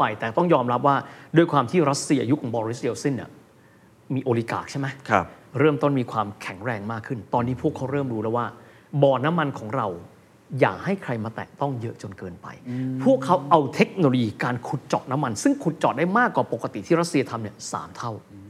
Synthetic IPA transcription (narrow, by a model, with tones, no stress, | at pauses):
a˧jt̪ɛː˨˩t̪ɔ˥˩ŋjɔː˧mɾa˦˥p̬̚waː˥˩du˧əjkʰwaː˧mt̪ʰiː˥˩ɾa˦˥t̪̚si˧ɐʔa˧ju˦˥kʰɔː˩˦bɔː˧ɾi˦˥sʔe˧wsi˥˩nːḭ˦˥˩ə | miː˧ʔoː˧li˦˥ka̰ː˨˩k̚t͡ɕʰe˥˩mʰ˦˥˧ | ɾɤː˥˩mt̪o˥˩nmiː˧kʰwaː˧mkʰɛ˨˩˦ŋɾɛː˧ŋmaː˥˩kʰːɯ˥˩nt̪ɔː˧nːiː˦˥pʰu˥˩kʰːa˦˥wɾɤː˥˩mɾuː˦˥lɛ˦˥waː˥˩ | bɔː˨˩t̪̚na˦˥mːa˧nkʰɔː˩˦ŋɾa˧w | jaː˨˩k̚ha˥˩jkʰɾa˧jmaː˧t̪ɛ̰ː˨˩k̚t̪ɔ˥˩ŋjɤ˦˥ʔt͡ɕo˧nkɤː˧npa̰˧jpʰu˥˩əkʰːa˦˥wʔa˧wt̪ʰe˦˥k̚noː˧lo˧jiː˧kaː˧nkʰu˨˩t̪̚t͡ɕɔ̰˨˩t̪̚na˦˥mːa˧nsɯ˥˩ŋkʰu˨˩t̪̚t͡ɕɔː˨˩t̪̚daː˥˩jmaː˥˩kːwaː˨˩po˨˩kːa˧t̪i˨t̪ʰiː˥˩ɾa˦˥t̪si˧ɐ˧t̪ʰa˧mni˥˩ɐsa̰ː˩˦mt̪ʰa˥˩w